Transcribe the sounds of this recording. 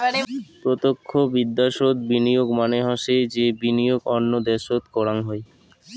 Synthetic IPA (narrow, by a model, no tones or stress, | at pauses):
pɾot̪okʰːobid̪ːaʃod̪binijoɡmaneɦɔʃed͡ʑebinijoɡɔnːod̪ɛʃot̪kɔɾaŋɦɔe